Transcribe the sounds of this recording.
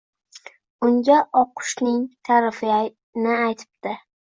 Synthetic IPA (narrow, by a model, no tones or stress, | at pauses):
ʊŋɡʲaʔɒqʰʊ̥ʃnɪŋt̪ʰaɾɪfɪa | nɪajt̪ʰɪ̥b̚d̪ɪ